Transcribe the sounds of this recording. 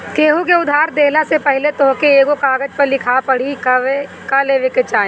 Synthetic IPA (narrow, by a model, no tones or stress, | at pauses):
keːɦukeʊd̪ʱaːɾd̪eːlasepɛɦɪlet̪oːkeeːɡokaːɡəd͡ʒpɐɾlɪkʰapɐɽ̤ike | kaleʋekət͡ʃãː